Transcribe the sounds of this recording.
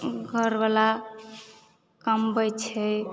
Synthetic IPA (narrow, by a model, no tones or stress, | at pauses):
ɡʱəɾbala | kəmbəjt͡ʃʰɛ